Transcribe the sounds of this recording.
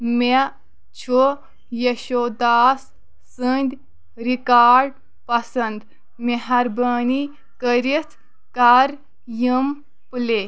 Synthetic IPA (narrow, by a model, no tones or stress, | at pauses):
me | t͡ʃʰo | jeɕod̪aːsː | ənd̪ʲ | ɾikaːɾɖ | pɐsɐnd̪ | meɦɐɾbəːni | kəɾit͡sʰ | kaɾ | jəm | ple